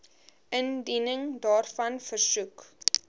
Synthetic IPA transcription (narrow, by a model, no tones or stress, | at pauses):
əndinəŋdɑːrfɐnfərsuk